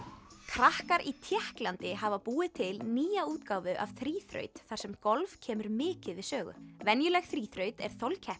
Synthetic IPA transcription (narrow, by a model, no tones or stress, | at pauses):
kʰɾahkaɾʔit̪ʰjɛhklant̪ɪɦavapuːɪt̪ʰɪlniːjauːt̪kawvʏʔa̰v̥θɾiːθɾœ̰ːɥt̪θḁsɛmkɔlv̥cʰɛːmʏɾmɪːcɪðvɪðsœːɣʏ̰vɛnjʏlɛɣθɾiːθɾœɥt̪ɛ̰ɾ̥θowlcʰɛh